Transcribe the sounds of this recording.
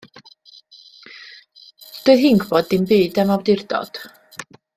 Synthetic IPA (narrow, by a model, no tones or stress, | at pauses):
d̥ɛɦɪŋɡbɔdːɪnbiːdɛmawdɪrd̥ɔ̰d̥